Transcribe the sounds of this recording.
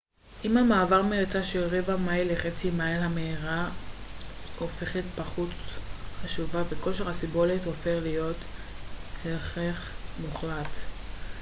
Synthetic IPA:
ʔimhamaːvaʁmeet͡saʃelʁevamajleχet͡simajlhameiʁa | ofe̞χetpaχutχaʃuvaveko̞ʃeʁhasibo̞litofeχlijo̞t | helχeχmuχlat

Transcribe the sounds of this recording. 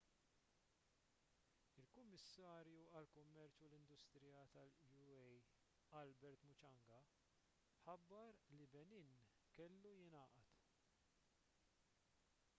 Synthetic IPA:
ɪlkʊmːɪsːɐːɾjuɐlkʊmːɛɾt͡ʃulɪnd̪ʊst̪ɾɪjɐt̪ɐljuɛj | ɐlbɛɾt̪mʊt͡ʃɐŋɡɐ | ħɐbːɐɾlibɛniːn | kɛlːujɪnɐːʔɐt̪

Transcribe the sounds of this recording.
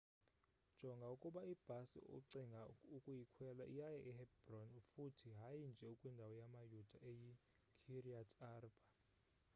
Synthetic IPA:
d̥ʒ̥ʱɔŋɡʱaukʼuɓaib̥ʱasḭṵǀiŋɡʱaukʼujikʰwɛlaʔijajɛʔɛɦɛbrɔnufutʰiɦajind͡ʒʱɛukʼwindʱawɔjamajud̥ʱaʔeji | kʰiriatʰarb̥ʱa

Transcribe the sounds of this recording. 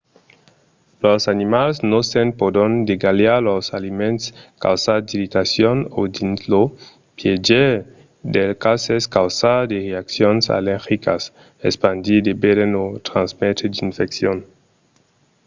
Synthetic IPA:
losanimalsnosenpod̪ond̪eɡaljalosalimẽnt̪ska̰wsad̪iɾit̪asjonod̪inzlo | pjed͡ʒe | d̪elkaseskawsad̪eʁeaksjonsa̰leɾxikas | ḛspand̪id̪ebeɾenot̪ɾanzmet̪ed̪infeksjon

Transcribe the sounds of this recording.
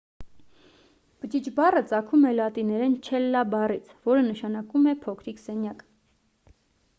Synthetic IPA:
b̥ət͡ʃit͡ʃʰbɑrət͡sɑkʰumɛlɑt̪inɛɾɛnt͡ʃʰɛlːɑbɑrit͡sʰvɔɾənəʃɑnɑkumɛpʰɔkʰɾiksɛnjɑk

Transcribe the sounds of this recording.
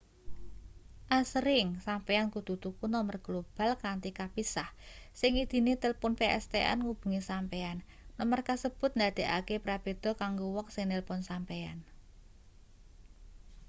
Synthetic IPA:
ʔasɾɪŋsampeankud̪̥ut̪ukunɔmərɡ̥lob̥a̤lkant̪ikapisahsɪŋid̪̥i̤net̪ɪlpʊnpeɛ̰st̪eʔɛ̰nŋub̥ṳŋisampeanː | ɔmərkasəb̥ʊ̤t̪̚nd̪ad̪̥e̤ʔa̰kepɾab̥e̤d̪̥ɔ̤kaŋɡowɔksɪŋnɪlpʊnsampea̰n

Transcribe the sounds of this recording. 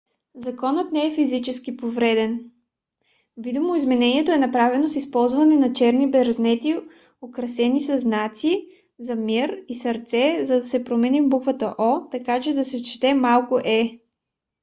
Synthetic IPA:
zɐkɔnət̪nɛɛfizit͡ʃɛskipovɾɛd̪ɛn | vid̪umoizmɛnɛniɛt̪oɛnɐpɾavɛnosispɔlˠzvɐnɛnɐt͡ʃɛɾnibɛɾɐznɛt̪i | okɾɐsɛnisɐznat̪si | zɐmiɾisɐɾt̪sɛzɐd̪ɐsɛpɾomɛnivbukvət̪əʔɔt̪ɐkat͡ʃɛd̪ɐsɛt͡ʃi̥t̪ɛmalˠkʊʔɛ

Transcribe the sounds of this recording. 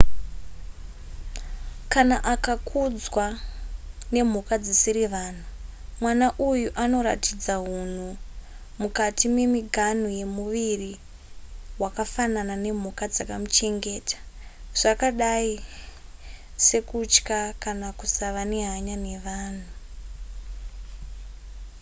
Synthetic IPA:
kanaʔakakʰud͡zwa | ne̞m̤ukad͡zisiɾiʋaːn̤umwanaʔujuʔano̞ɾa̰tid͡zaɦun̤u | mukatimwe̞miɡʱan̤uje̞muʋiri | wakafananane̞m̤ukad͡zakamut͡ʃe̞ŋɡe̞ːtḁʐ̥akaɗai | se̞kut͡ʃkakanakusaʋaneɦaɲane̞ʋaːn̤u

